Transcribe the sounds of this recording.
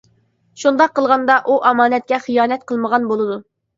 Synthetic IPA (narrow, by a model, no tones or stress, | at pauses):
ʃund̪ɑqːəlˠʁɑnd̪ɑʔuʔɑmɑːnɛt̪̚kʲɛχijɑːnɛt̪qʰəlˠməʁɑnbolˠɨd̪u